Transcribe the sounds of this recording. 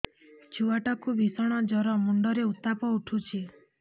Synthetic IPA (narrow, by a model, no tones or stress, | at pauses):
t͡ʃʰuaʈɔkubʱisɔɽ̃ɔd͡ʒɔɾɔmuɳɖɔɾeut̪ːapɔuʈʰut͡ʃʰi